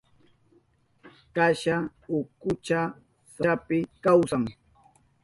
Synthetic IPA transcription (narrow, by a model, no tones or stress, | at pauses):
kaʃa | ʊkʊt͡ʃa | saapɪkawsaŋ